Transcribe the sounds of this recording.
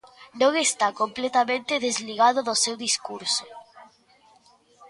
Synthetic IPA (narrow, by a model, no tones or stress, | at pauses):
nõŋest̪akomplet̪amẽnt̪eðezliɣ̞að̞oðosewðiskuɾso